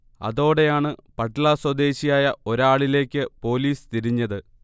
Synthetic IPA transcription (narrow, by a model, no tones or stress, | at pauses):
ɐ̰ðo̞ːɽe̞jaːɳɨpɐʈːɐlaːswɐd̪e̞ːɕijaːjɐo̞ɾaːɭile̞ːkʲːɨpo̞ːliːst̪iɾiɲːɐðɨ